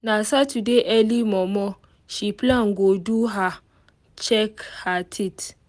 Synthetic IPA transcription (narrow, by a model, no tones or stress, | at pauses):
nasatudeʔɛlimɔ̃mɔ̃ | ʃiplãŋ̩ɡoduɦa | t͡ʃɛkhatʰit